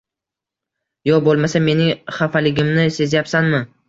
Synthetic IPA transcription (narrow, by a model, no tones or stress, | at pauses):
jɒbolˠmasame̞nɪŋχafalɪɡʲɪmnɪse̞zjapsanmɪ